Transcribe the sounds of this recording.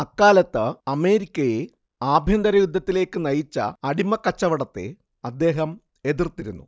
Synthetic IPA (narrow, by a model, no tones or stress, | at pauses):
ɐkːaːlɐt̪ːɨɐme̞ːɾikʲːɐje | aːbʱjɐnd̪ɐɾɐjud̪ʱːɐt̪ːile̞ːkːɨnɐjit͡ɕːɐ̰ɐɽimɐkːɐt͡ɕːɐʋɐɽɐt̪ːe̞̰ | ɐd̪ːe̞ːɦɐm | e̞ðirt̪iɾunːṵ